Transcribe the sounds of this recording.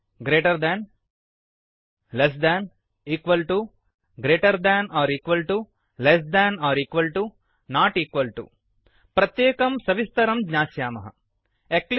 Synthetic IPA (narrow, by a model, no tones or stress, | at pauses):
ɡɾeːʈɐɾd̪æːn | les̬d̪æːn | iːkʋɐlʈu | ɡɾeːʈɐɾd̪æːnaːɾiːkʋɐlʈu | les̬d̪ænaːɾiːkʋɐlʈu | naːʈiːkʋɐlʈṵ | pɾɐt̪jeːkɐmsɐʋist̪ɐɾɐmɡɲaːsjaːmɐ̰ɦɐ̰ | ekl